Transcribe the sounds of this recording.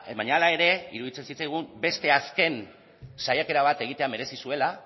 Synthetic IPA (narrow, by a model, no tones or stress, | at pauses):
βaɲalae̞ɾe̞iɾuðit͡se̞nsit͡sajɣ̞umbe̞st̪e̞aske̞n | sajake̞ɾaβat̪e̞ɣ̞it̪e̞ame̞ɾe̞sisue̞la